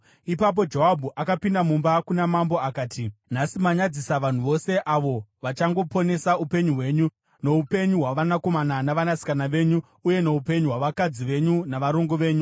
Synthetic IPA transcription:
ipap̬o̞d͡ʒoɦabʱuʔakapindamumbakunamambo̞akaːtin̤asimaɲad͡zisaʋan̤uʋo̞se̞ʔaʋo̞ʋat͡ʃaŋɡo̞po̞ne̞saupe̞ɲuɦwe̞ːɲu | no̞upe̞ɲuɦwaʋanako̞mananaʋanasi̥kanaʋe̞ɲu | uje̞no̞upe̞ɲuɦwaʋakad͡ziʋe̞ɲunaʋaɾoŋɡoʋe̞ːɲu

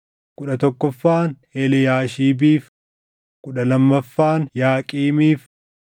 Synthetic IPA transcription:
kʊᶑɐt̪ɔkːɔfːaːnhɛlɛjaːʃiːbiːf | kʊᶑɐlɐmːɐfːaːnjaːkʼiːmiːf

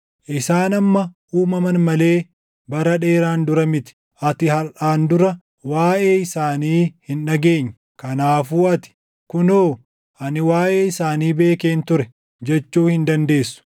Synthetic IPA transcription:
ʔɪsaːnɐmːɐʔuːmɐmɐnmɐle̞ː | bɐɾɐᶑe̞ːɾaːnd̪ʊɾɐmɪt̪ɪ̥ | ʔɐt̪ɪhɐɾʔaːnd̪ʊɾɐ | waːʔe̞ːɪsaːniːhɪnᶑɐɡe̞ːɲːɐ | kɐnaːfuːɐt̪ɪ̥ | kʊnoː | ʔɐnɪwaːʔe̞ːɪsaːniːbe̞ːkeːnt̪ʊɾɛ | d͡ʒɛt͡ʃːuːhɪnd̪ɐnd̪e̞ːsːʊ̥

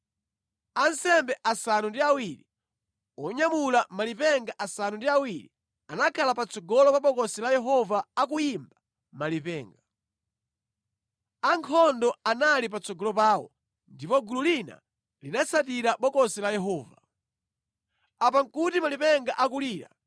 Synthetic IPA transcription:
ansɛmbɛʔasanundiawiɾi | ɔɲamulamalipɛŋɡaʔasanundiawiɾḭ | anakʰalapat͡sɔɡɔlɔpaɓɔkɔsɛlajɛɦɔvaːk̬ujimba | malipɛːŋɡa | aŋkʰɔndɔanalip̬at͡sɔɡɔlɔpaːwɔ̰ | ndipɔɡululina̰ | linasat̬iɾaɓɔkɔsɛlajɛɦɔːva | apaŋkutimalipɛŋɡaʔakuliːɾa̰

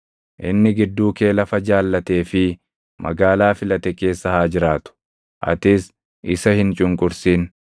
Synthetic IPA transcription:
ʔɪnːɪɡɪd̪ːuːke̞ːlɐfɐd͡ʒaːlːɐt̪e̞ːfɪ | mɐ̰ɡaːlaːfɪlɐt̪ɛke̞ːsːɐhaːd͡ʒɪɾaːt̪ʊ̥ | ʔɐ̰t̪ɪs | ʔɪsɐhɪnt͡ʃʼʊŋkʼʊɾsiːn

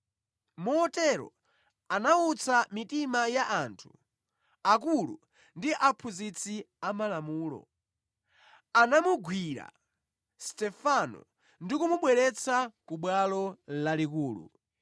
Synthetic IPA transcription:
muɔtɛɾɔ̰ | anaut͡sʰamitimajaʔantʰu | ak̬ulṵ | ndiʔapʰuzit͡sʰiamalamuːlɔ̰ | anamuɡwiɾa̰ | stɛfanɔ̰ | ndikumuɓwɛɾɛt͡sʰakuɓwalɔlalik̬uːlṵ

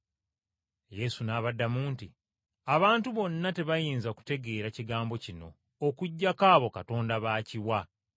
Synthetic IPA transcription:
je̞sunaːβadːamuːnti | aβaːntuβo̞nːate̞βajiːnzaoku̥te̞ɡe̞ːɾaciɡaːmbo̞cino̞̰ː | kuɟːakaːβo̞kato̞ːndaβaːciwa

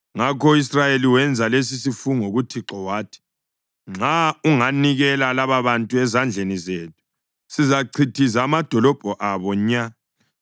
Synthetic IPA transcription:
ŋakɔisrajeliwɛnd͡zʱales̬isifuŋoɣutʰiǁɔwaːtʰi̥ | ŋ͡ǁauŋaniɣɛlalaβaβantʼuɛzand͡ɮʱenizeːt̚ʰu̥ | sizaǀʰitʰizaːmad̥ʱɔlɔb̥ʱɔʔaβɔɲa

